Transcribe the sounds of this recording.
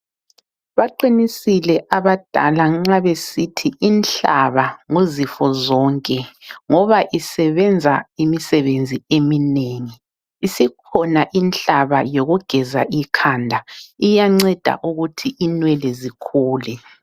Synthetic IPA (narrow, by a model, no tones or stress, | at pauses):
βaǃinisilɛʔaβad̥ʱa̰laŋ͡ǁaβesitʰiʔinɬaβaŋozifɔzɔːŋkʼɛŋɔβaʔisɛβɛnd͡zʱaimisɛβend͡zʱiemineːŋiː | sikʰɔnaʔint͡ɬaβajoɣuɡ̥ʱɛza̰ʔikʰaːndʱaijaŋ͡ǀɛd̥ʱa̰ʔuɣutʰiʔinwɛlɛzikʰuːlɛ